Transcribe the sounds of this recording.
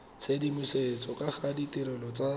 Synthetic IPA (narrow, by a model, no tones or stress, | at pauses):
t͡sʰedimiset͡sʼɔkaχaditɪɾɛlɔt͡sa